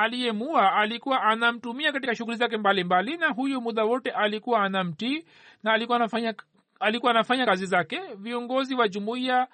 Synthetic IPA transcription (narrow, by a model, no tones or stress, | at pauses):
alijɛmuaalikuwaʔanam̩tumiakatikaʃuɣulizak̬ɛmbalimbalinaɦujɔmuðawɔtɛʔalikuwaːnam̩ti | naːlikuwaafaɲa | alikuwanafaɲakazizakɛviɔŋɡɔziwaʄumuia